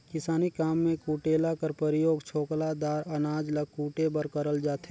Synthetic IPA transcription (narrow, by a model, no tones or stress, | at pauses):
kɪsaːnikaːmːẽkuːʈeːlakəɾpəɾɪjoːɡt͡ʃʰoːklad̪aːɾɐnaːd͡ʒləɡ̚kuːʈebəɾkəɾəld͡ʒaːt̪e